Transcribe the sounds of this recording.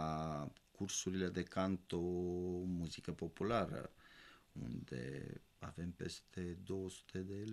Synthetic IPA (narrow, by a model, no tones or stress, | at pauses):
akuɾsuɾiled̪ekant̪omuzikapopulaɾə̰ | ṵnd̪ḛa̰vempest̪ed̪osu̥t̪ed̪el